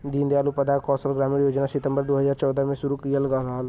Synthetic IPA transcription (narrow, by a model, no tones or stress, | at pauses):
d̪iːnd̪eaːlupəd̪aːkɔːsəlɡɾaːmiɾjoːd͡ʒnaːsɪt̪ə̃mbəɾd̪oːɦəzaːɾt͡ʃɔːd̪əmẽsʊɾuːkijələɡaːɾaːl